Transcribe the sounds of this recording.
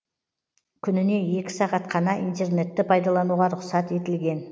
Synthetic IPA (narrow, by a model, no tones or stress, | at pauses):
kʲʰʏnɪne̞e̞kʲɪ̥sɑʁɑt̪qʰɑnɑʔint̪e̞rne̞t̪ːɪpʰɑjd̪ɑlˠɑnuʁɑɾʊqsɑt̪e̞t̪ɪlɡʲe̞n